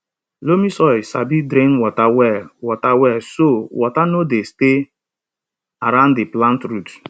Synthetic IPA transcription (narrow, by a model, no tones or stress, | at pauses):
lomisɔɪsabidɾẽnwɔtawɛwɔtawɛsowɔtanodeste | aɾãʊ̃nddɪplãntɾut